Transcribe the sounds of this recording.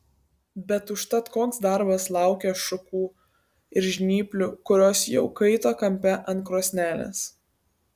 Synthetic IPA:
bʲɛt̪ʊʃt̪ɐt̪koːnsd̪ɐɾbɐslˠɑˑʊkʲɛʃʊkuː | ɪɾʒʲnʲiːpʲlʲʊkʊɾʲoːsjɛʊkɐɪt̪oːkɐmʲpʲɛʔɐnt̪̚kɾoːsʲnʲæːlʲḛs

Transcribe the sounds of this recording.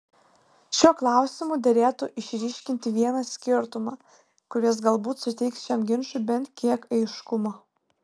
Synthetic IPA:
ʃʲuɔklˠɑˑʊsʲɪmʊˑd̪ʲɐɾʲeːt̪ʊʔɪʃʲɾʲiːʃʲkʲɪnʲt̪ʲɪʋʲiɛnɐsʲkʲɪɾt̪ʊmɑː | kʊɾʲiɛs̬ɡɐlˠbuːt̪sʊt̪ʲɛɪksʃʲɛmɡʲɪnʃʊbʲɛnt̪kʲiɛkɐɪʃkʊmoː

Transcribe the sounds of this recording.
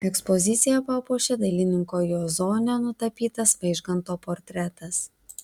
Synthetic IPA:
ɛkspɔzʲɪt̪sʲɪjɛpɑːpuːʃʲɛd̪ɐlʲɪnʲɪŋkoːjoːzoːnʲɛnʊt̪ɐpʲiːt̪ɐspɐɪʒɡɐnt̪oːpɔɾʲt̪ʲɾʲɛt̪ɐs

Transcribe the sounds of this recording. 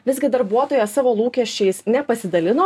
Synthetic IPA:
ʋʲɪzʲɡʲɪd̪ɐɾbuɔt̪oːjɛsɑːʋoːlˠuːkʲɛʃʲt͡ʃʲɛɪsnʲɛpɐsʲɪd̪ɐlʲɪnoː

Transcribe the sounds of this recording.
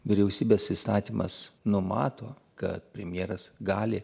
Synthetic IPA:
ʋʲɪɾʲɛʊsʲiːbʲeːsist̪ɑːt̪ʲiːmʔɐ̰snʊmɑːt̪oː | kɐ̰t̪̚pʲɾʲɛmʲjeɛɾɐsɡɑːlʲɪ

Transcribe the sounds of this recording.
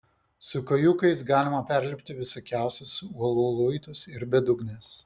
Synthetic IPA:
sʊkɐjukɐɪs̬ɡɑːlʲɪmɐpʲæɾʲlʲɪpʲt̪ʲɪʋʲɪsɐkʲæˑʊsʲɛsʊuɔlˠuːlˠʊɪt̪ʊsɪɾbʲɛd̪ʊɡnʲeːs

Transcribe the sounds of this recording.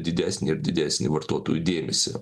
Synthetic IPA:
d̪ʲɪd̪ʲæːsʲnʲɪɪɾd̪ʲɪd̪ʲæːsʲnʲɪ̰ʋɐrt̪oɔt̪oːjud̪ʲeːmʲɛsʲɪ̰

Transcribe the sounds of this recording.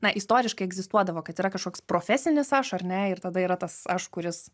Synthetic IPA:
nɐʔɪst̪oːɾʲɪʃkɐɪɛɡzʲɪst̪uɔd̪ɐʋoːkɐt̪iːɾɐkɐʃkoːkspɾoːfʲɛsʲɪnʲɪsɐʃɐɾʲnʲɛɪrt̪ɐd̪ɐiːɾɐt̪ɐsɐʃkʊɾʲɪs

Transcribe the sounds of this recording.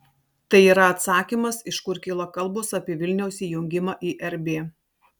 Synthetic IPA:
t̪ɐɪiːɾɐɐt̪sɑːkʲiːmɐsɪʃkʊɾkʲɪlˠɐkɐlˠˑbʊsɑːpʲiːʋʲɪlʲnʲɛʊsʲiːjʊŋʲɡʲɪmɑːʔiːʔɛɾʲbʲeː

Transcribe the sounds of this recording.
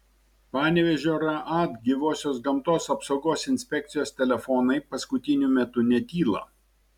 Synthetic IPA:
pɑːnʲɛʋʲɛʒʲoːɾɐʔat̪ɡʲɪʋoːsʲoːsɡɐmt̪oːsɐpsɒʊɡoːsɪnʲsʲpʲɛk̚t̪sʲɪjoːst̪ʲɛlʲɛfɔnɐɪpɐskʊt̪ʲɪnʲʊmʲɛt̪ʊnʲɛt̪ʲiːlˠɐ̰ː

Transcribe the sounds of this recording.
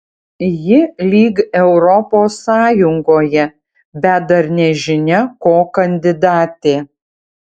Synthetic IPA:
jɪlʲiːɡɛʊɾɔpoːsːɑːjʊŋɡoːjɛ | bʲɛt̪̚d̪ɐɾnʲɛʒʲɪnʲɛkoːkɐnʲd̪ʲɪd̪ɑːt̪ʲeː

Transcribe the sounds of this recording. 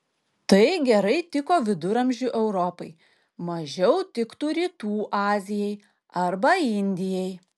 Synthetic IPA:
t̪ɐɪɡʲɛɾɐɪt̪ʲɪkoːʋʲɪd̪ʊɾɐmʲʒʲʊʔɛʊɾɔpɐɪ | mɐʒʲɛʊt̪ʲɪkt̪uːɾʲiːt̪uːʔɑːzʲɪjɛɪ | ɐɾbɐɪnʲd̪ʲɪjɛj

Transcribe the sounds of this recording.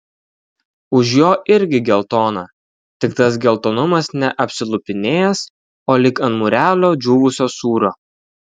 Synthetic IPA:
ʊʃjoːʔɪɾʲɡʲɪɡʲɛlˠt̪oːnɐ | t̪ʲɪkt̪ɐs̬ɡʲɛlˠt̪oːnʊmɐsnʲɛʔɐpʲsʲɪlˠʊpʲɪnʲeːjɛs | oːlʲɪkɐnt̪mʊɾʲæːlʲoːd͡ʒʲuːʋʊsʲoːsuːɾoː

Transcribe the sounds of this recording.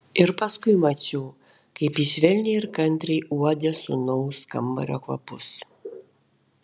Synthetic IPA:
eɾpaskujmat͡ʃo | kepisvɛlnieɾkant̪ɾiʔuaɟasonowska̰mba̰ɾakwa̰pos

